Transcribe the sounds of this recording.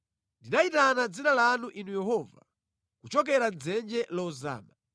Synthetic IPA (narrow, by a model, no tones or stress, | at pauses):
ndinaitanad͡zinalanuʔinujɛɦɔːva̰ | kut͡ʃɔk̬ɛɾad͡zɛnd͡ʒɛlɔuza̰ːma